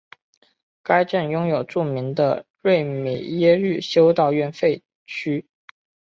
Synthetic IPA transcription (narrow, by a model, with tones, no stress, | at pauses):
ka˥ɪʈ͡ʂə˥˩njʊ˥ŋjo˨˩ʊʈ͡ʂu˥˩mi˧˥ŋd̪ə̰˧ɻwe˥˩ɪme˨˩jɛ˥ɻy˥˩ɕjo˥ʊt̪ɑ˥˧ʊɥɛ˥˧nfe˥˩ɪ | t͡ɕʰy˥